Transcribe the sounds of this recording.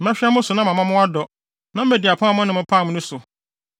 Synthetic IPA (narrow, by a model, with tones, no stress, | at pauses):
m̩˦æ̃˦ɕᶣɛ˦mʊ̃˦sʊ˨nã˦mã˨mã˦mʊ̃˦a˦dɔ˨ | nã˦m̩˦æ˨di˨a˨pʰãː˦˨mʊ̃˦nɪ̃˦mʊ̃˦pʰaː˦˨mʊ̃˦nʊ̃˦sʊ˨